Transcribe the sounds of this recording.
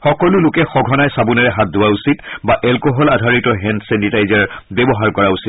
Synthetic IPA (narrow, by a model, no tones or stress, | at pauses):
xɔkɔlʊlʊkɛxɔɡʱɔnajsabunaɹɛɦat̚dʊwausitbaʔɛlkɔɦɔladʱaɹitɔɦɛntsɛntitajzaɹbɛbɔɦaɹkɔɹausit